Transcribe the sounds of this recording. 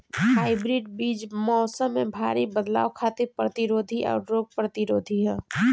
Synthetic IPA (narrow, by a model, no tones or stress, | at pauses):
haːɪbɾɪːɖbiːd͡ʒmɔːsəmːẽbʱaːɾibəd̪la̰ːwkʰaːt̪ɪɾpɾət̪ɪɾoːd̪ʱiʔɔ̰ːɾɾoːɡ̚pɾət̪ɪɾoːd̪ʱiɦɛ̃ː